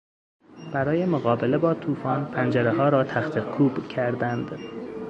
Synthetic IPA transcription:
b̥æɾɒːjemoɣɒːbe̞le̞bɒːt̪ʰuːfɒːnpʰænd͡ʒæɾeɦɒːɾɒːt̪ʰæxt̪ʰekʰuːbcʰæɾd̪ænd̪

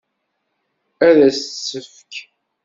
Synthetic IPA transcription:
æðæssːəf | k

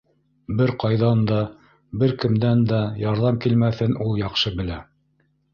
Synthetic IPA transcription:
bɘɾqɑjðɑnd̪ɑ | bɘɾkɘ̆md̪ænd̪æjɑɾðɑmkilmæθɘnulˠjɑqʃɤbɘ̆læ

